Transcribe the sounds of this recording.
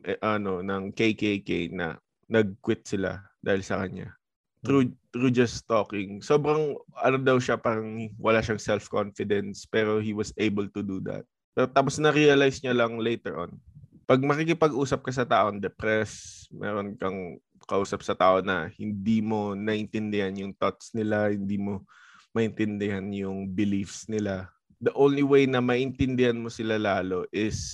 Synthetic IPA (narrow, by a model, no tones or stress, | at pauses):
ʔɛʔɐno̞nɐŋkejkejkejnɐ̰ | nɐɡ̚kwɪt̪̚sɪla̰d̪aːhɪlsɐkɐɲa̰ | t̪ɾut̪ɾud͡ʒɐst̪oːkɪŋso̞ːbɾɐŋʔɐnod̪ɐwʃapaːɾɐŋwɐlaʃɐŋsɛlfkonfɪd̪ɛnspɛːɾo̞hiwɐsejbɛlt̪ʊd̪ud̪ɐ̰t̪̚pɛːɾot̪aːposnɐɾiɐlajsɲalɐŋlejt̪ɛɹʔon | pɐɡ̚mɐkikɪpɐɡʔuːsɐp̚kɐs̬ɐt̪aːʔond̪ɛpɾɛsmʔɛ̰ːɾonkɐŋ | kɐʔuːsɐp̚sɐt̪aːʔo̞nɐ̰hɪnd̪iːmo̞nɐʔɪnt̪ɪnd̪ɪhanjʊŋt̪ot̪snɪlahɪnd̪iːmo̞ | mɐʔɪnt̪ɪnd̪ɪhanjʊŋbɪlifsnɪla | d̪ɐʔõwnliwejnɐmɐʔɪnt̪ɪnd̪ɪhanmo̞sɪlalaːlo̞ʔɪs